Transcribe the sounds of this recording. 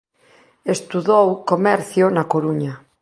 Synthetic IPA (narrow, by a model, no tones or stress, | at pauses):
est̪uðowkomɛɾθjonakoɾuɲa